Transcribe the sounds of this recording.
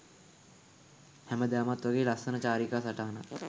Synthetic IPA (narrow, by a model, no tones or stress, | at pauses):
hɛməd̪æːmat̪ʋaɡeːlaksənət͡ɕaːɾikaːsaʈaɦanat̪